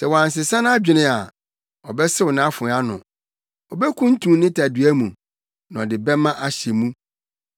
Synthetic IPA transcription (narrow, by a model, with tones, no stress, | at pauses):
sɛ˨wɔ˨ã˨ns̬ɪ˨sã˦n˦a˦d͡ʑᶣɪ̃˨nɪ̃˦a˨ | ɔ˨bɛ˦sɪ˦wʊ˨nã˨˦fʊ̃˨˦a˦nʊ̰̃˨ | ɔ˨bɛ˦kʰũ˦n̩˦tʰũ˨mnɪ̃˦tʰa˨dɥæ˦mũ˨ | nã˨ɔ˨dɪ˨bɛ˦mã˦ʔa˦ɕɛ˨mũ˦